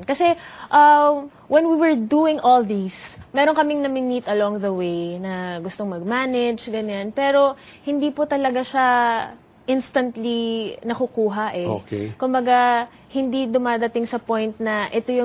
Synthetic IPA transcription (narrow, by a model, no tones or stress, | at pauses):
nkɐsɛʔɐ | wɛnwiwɛɹd̪uːɪŋolðismɛːɾo̞ŋkɐmɪŋnɐmɪmit̪ɐloŋðɐwejnɐɡʊst̪oŋmɐɡ̚maːnɛd͡ʒɡɐɲanpɛːɾo̞hɪnd̪iːpot̪ɐlɐɡaʃa | ʔɪnst̪ɐnt̪linɐkʊkuːɦɐʔɛo̰kɛkʊmbɐɡa | hɪnd̪id̪ʊmaːd̪ɐt̪ɪŋsɐpojnt̪̚nɐʔɛt̪ojʊ